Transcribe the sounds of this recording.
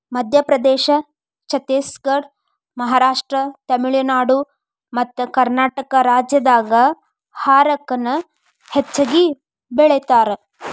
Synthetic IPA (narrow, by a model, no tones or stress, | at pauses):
mɐd̪ʱjɐpɾɐd̪ɛːʃɐ | t͡ʃɐt̪eːsɡɐɾ | mɐɦaːɾaːʂʈɾɐt̪ɐmiɭinaːɽu | mɐt̪ːukɐɾnaːʈɐkɐɾaːd͡ʒjɐd̪aːɡɐ | haːɾɐkːɐnɐ | het͡ʃːɐɡi | bɛɭet̪aːɾe